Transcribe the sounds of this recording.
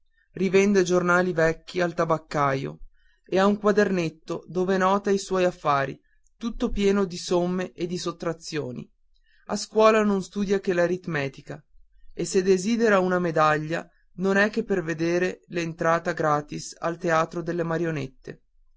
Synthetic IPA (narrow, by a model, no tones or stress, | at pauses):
rivɛnd̪ed͡ʒornaːlivɛkːialt̪abakːajo̰ | eauŋkwad̪ernet̪ːod̪oːvenɔːt̪aiswɔjafːaːɾḭ | t̪ut̪ːopjɛːnod̪isomːeʔed̪ːisot̪ːɾat̪sːjoːnḭ | askwɔːlanonst̪uːd̪jak̟elaɾit̪mɛːt̪ika | esːed̪eziːd̪eɾaunamed̪aʎːa̰ | nonɛkːepːerved̪eːɾelent̪ɾaːt̪aɡɾaːt̪isa̰lt̪eaːt̪ɾod̪elːemaɾjonet̪ːḛ